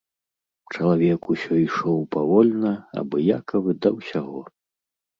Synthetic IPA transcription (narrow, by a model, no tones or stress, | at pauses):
t͡ʂɐlˠavʲɛkusʲɔiʂɔwpavɔlʲnɐa̰bɔjakɐvɨd̪ɐwsʲaɣɔ